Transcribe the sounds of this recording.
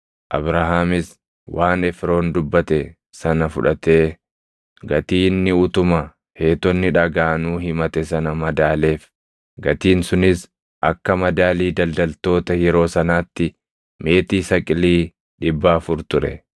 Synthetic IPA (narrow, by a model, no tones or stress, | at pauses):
ʔɐ̰bɾaɦaːmɪs | wʔaːnɛfɾo̞ːnd̪ʊbːɐt̪ɛ | sɐnɐfʊᶑɐt̪e̞ː | ɡɐt̪iːnːɪʊt̪ʊmɐ | he̞ːt̪ɔnːɪᶑɐɡaːnuːɦɪmɐt̪ɛsɐnɐmɐd̪aːle̞ːf | ɡɐt̪iːnsʊnɪs | ʔɐkːɐmɐd̪aːliːd̪ɐld̪ɐlt̪o̞ːt̪ɐjɛɾo̞ːsɐnaːt̪ːɪ | me̞ːt̪iːsɐkʼɪliː | ᶑɪbːaːfʊɾt̪ʊɾɛ̰